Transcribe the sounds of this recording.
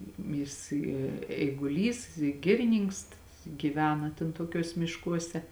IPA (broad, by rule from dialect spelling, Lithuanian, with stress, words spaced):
ˈjɪs ɪ ɛɪɡʊˈlʲiːs ɪ ˈɡʲɪrʲɪˈnʲiːŋks ɡʲiːˈʋʲæːnɐ tʲɛn toːˈkʲuɔs mʲɪʃˈkuɔsʲɛ